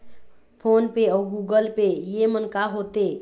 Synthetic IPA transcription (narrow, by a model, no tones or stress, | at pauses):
pʰonpeɔɡuɡəlpejemənkaɦot̪e